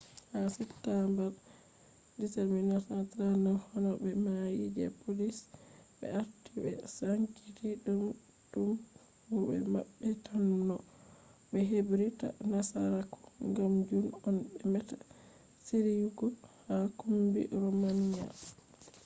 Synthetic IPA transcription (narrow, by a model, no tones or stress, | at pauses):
hasɛtːambɛɾ | diteɾminatatɾanɔhɔnɔbɛmajid͡ʒɛ̰polisbɛ̰aɾtibɛ̰saŋkitiɗum | dum | hubɛ̰ma̰ɓːɛtʰanːɔ | bɛɦebɾita̰nasaɾakʰɔ̥ŋɡamd͡ʒunɔnbɛmɛta | siɾiɡɔhakumbḭɾomania̰